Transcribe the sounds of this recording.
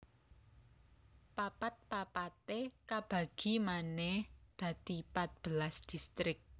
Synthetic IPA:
papat̪̚papat̪ekab̥ä̤ɡ̥i̤manɛhd̪̥ä̤d̪̥i̤pat̪̚b̥ə̤lasd̪̥ist̪ɾɪk̚

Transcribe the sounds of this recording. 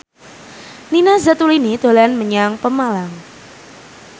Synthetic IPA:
ninazat̪ulinid̪̥o̤laanməɲaŋpəmalaŋ

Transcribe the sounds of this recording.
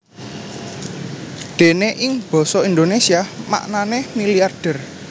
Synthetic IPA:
ɖ̪̥e̤neʔɪŋb̥ɔ̤sɔind̪onesiama̰ʔnanemiliarɖ̥ə̤r

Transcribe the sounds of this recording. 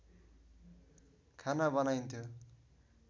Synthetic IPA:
kʰanabʌnajnt̪ʰjo

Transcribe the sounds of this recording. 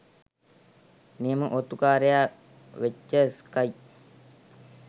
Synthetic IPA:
niəməʔot̪ukaːɾeja | ʋet͡ʃːəskaj

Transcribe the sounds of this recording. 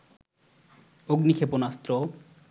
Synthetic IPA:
oɡnikʰeponast̪ɾo

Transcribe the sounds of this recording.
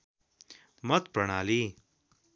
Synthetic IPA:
mɐt̪̚pɾɐɽ̃aːliː

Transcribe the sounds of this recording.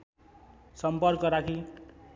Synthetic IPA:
sʌmpʌrkʌɾakʰi

